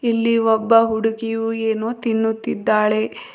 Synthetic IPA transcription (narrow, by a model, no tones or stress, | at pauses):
ilːiɔbːɐɦuɽukijueːnoːt̪inːut̪ːid̪ːaːɭe̞